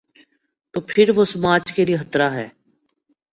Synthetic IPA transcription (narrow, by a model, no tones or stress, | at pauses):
t̪oːpʰɪɾʋoːsəmaːt͡ʃkeliɦət̪ɾaːɦɛː